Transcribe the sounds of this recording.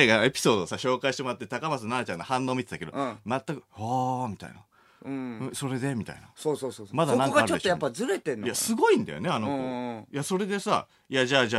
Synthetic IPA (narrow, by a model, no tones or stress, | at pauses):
eanoe̞pʲi̥so̞ːd̪o̞ːsaɕo̞ːkaiɕi̥temo̞ɾat̪ːe̞t̪akamasɨnaɾat͡ɕãnːohãnːo̞ːmʲit̪et̪ake̞d̪o̞̰mat̪ːakɯ̟hamʲit̪a̰inã | ɯ̃so̞ɾe̞d̪e̞mʲit̪a̰ina̰soːsoːsomad̪anãŋkɡaɾt͡ɕoeojapːazɨɾet̪ẽnjasɨɡo̞ĩnd̪a̰jo̞̰neanokoːjaso̞ɾe̞d̪e̞sa̰ | jaʑaːd͡ʑa